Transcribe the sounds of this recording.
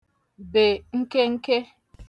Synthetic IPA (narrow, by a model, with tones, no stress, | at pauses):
be˨ŋ̩˦ke˦ŋ̩˦ke˦